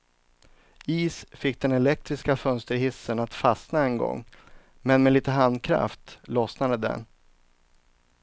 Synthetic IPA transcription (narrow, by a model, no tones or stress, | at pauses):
iːsfɪk̚ːd̪ɛnɛlɛk̚t̪ɾɪskafœnst̪əɾɦɪsːənat̪fasnaɛnɡɔ̰ŋː | mɛnmɛliːt̪əɦand̪kʰɾa̰ft̪lɔsnad̪əd̪ɛ̰n